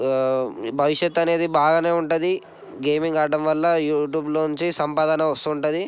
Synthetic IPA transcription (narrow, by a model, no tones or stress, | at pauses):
bʱɐʋiʂjet̪ːɐne̞ːd̪ibaːɡane̞ːuɳʈud̪i | ɡe̞ːmiŋɡaːɖɐmʋɐlːɐjuːʈjuːbloːnuɲt͡ʃisɐmpaːd̪ɐnɐʋɐst̪uːɳʈɐd̪i